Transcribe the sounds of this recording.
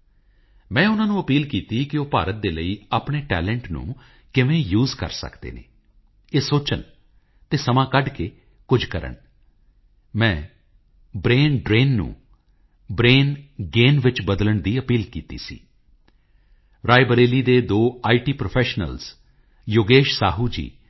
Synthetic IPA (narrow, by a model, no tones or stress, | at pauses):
mɛ̃ːʊnãːnũːəpiːlkiːt̪iːkɪoːpa̰ːɾət̪̚d̪eːləiːaːpɳeːʈɛ̰ːlɛ̃ɳʈnṵ̃ː | kɪʋẽːjuːzkə̰ɾsə̰kd̪ḛːnḛː | eːsoːt͡ʃən | t̪eːsəmãːkəɖkeː | kʊd͡ʒkəɾə̰ɳ | mɛ̃ː | bɾeːnɖɾeːnːṵ̃ː | bɾeːnɡeːnʋɪt͡ʃbəd̪ləɳd̪iːəpiːlkiːt̪ḭːsḭː | ɾaːɪbəɾeːliːd̪eːd̪oːaːiːʈiːpɾoːpʰɛːʃnə̰lz̥ | joːɡeːʃsa̰ːɦuːd͡ʒḭː